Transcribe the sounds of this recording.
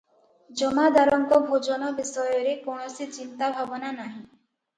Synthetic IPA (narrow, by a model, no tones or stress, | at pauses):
d͡ʒɔmad̪aɾɔŋkɔbʱod͡ʒɔnɔbisɔjɔɾekonɔsit͡ʃint̪abʱabɔnanaɦĩ